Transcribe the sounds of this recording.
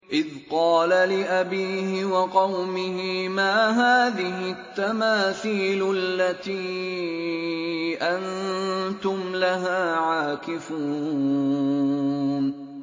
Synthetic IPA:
ʔɪðqɑːlalɪʔabiːhɪwɑqɑwmɪhɪmaːɦaːðɪɦɪt̪ːamaːθiːlʊalːat̪iː | ʔant̪ʊmlaɦaːʕaːkɪfuː | n

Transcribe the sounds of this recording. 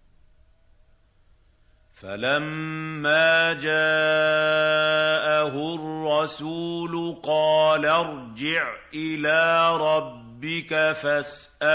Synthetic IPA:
fa̰lamːaːd͡ʒaː | ʔaɦʊrːɑsuːlʊqɑːlaɾˤd͡ʒɪʕʔɪlaːɾˤɑbːɪkafasʔa

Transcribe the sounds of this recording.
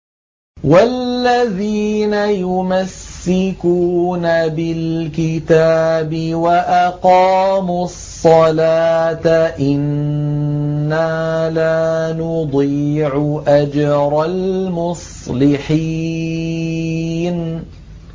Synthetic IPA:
walːaðiːnajʊmasːɪkuːnabɪlkɪt̪aːbɪwaʔɑqɑːmusˤːɑlaːt̪aʔɪn | aːlaːnʊd̪ˤiːʕʊʔad͡ʒɾˤɑlmʊsˤlɪħi | n

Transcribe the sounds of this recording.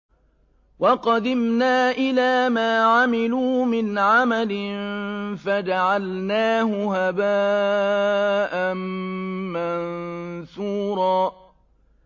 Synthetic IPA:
wɑqɑd̪ɪmnaːʔɪlaːmaːʕamɪluːmɪnʕamalɪnfad͡ʒaʕalnaːɦʊhabaː | ʔamː | ansuːɾˤɑː

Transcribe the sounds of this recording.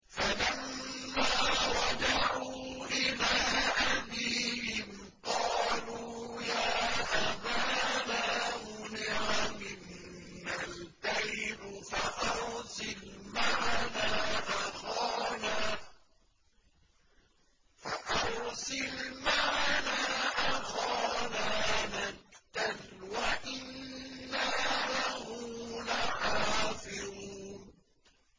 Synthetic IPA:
falamːaːwɑd͡ʒaʕuːʔɪlaːʔabiːhɪm | qɑːluːjaːʔabaːnaːmʊnɪʕamɪnː | altajbfaʔɑɾsɪlmaʕnaːʔaxɑːnaː | faʔɑɾsɪlmaʕnaʔaxɑːnaːnakt̪al | waʔɪnːalahuːlaʕaːfɪɾuuːn

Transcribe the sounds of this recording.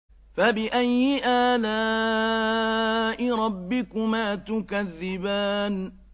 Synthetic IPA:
fabɪʔajːɪʔaːla | ʔɪɾˤɑbːɪkʊmaːt̪ʊkaðːɪbaːn

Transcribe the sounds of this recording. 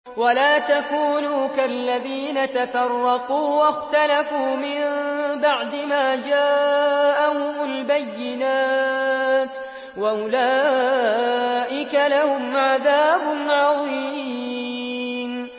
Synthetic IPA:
walaːt̪akuːnuːkalːaðiːnat̪afɑrˤːɑquːwaxt̪alafuːmɪmbaʕd̪ɪmaːd͡ʒaːʔaʊmʊlbajːɪnaː | t̪ | waʔʊlaː | ʔɪkalahʊmʕaðaːbʊnʕɑðˤi | m

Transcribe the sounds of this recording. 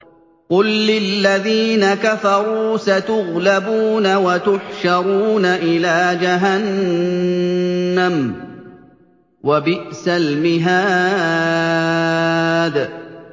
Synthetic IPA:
qʊlːɪlːaðiːnakafɑɾˤuːsat̪ʊɣlabuːnawat̪ʊħʃɑɾˤuːnaʔɪlaːd͡ʒaɦan | am | wabɪʔsalmɪɦaː | d̪

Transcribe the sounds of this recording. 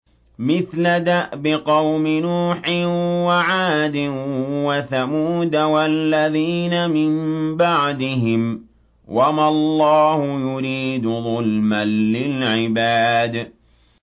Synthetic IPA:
mɪθlad̪aʔbɪqɑwmɪnuːħɪwaʕaːd̪ɪwaθamuːd̪awalːaðiːnamɪmbaʕd̪ɪɦɪm | wʔamalˤːɑːhʊjʊɾiːd̪ʊðˤʊlmanːɪlʕɪbaːd̪

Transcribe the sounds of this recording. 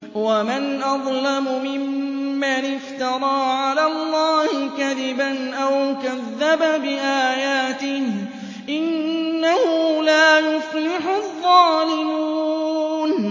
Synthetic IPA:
wamanʔɑðˤlamʊmɪmːanɪft̪ɑɾˤɑːʕalaːlˤːɑːhɪkaðɪbanʔawkaðːababɪʔaːjaːt̪ɪh | ʔɪnːahʊlaːjʊflɪħʊðˤːɑːlɪmuːn

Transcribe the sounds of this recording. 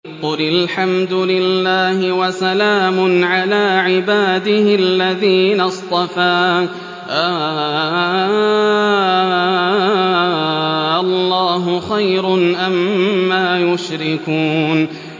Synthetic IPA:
qʊlalħamd̪ʊlɪlːaːhɪwasalaːmʊnʕalaːʕɪbaːd̪ɪhɪʔalːaðiːnast̪ˤɑfaː | ʔa | ʔalːɑːɦʊxajɾʊnʔamːaːjʊʃɾɪkuːn

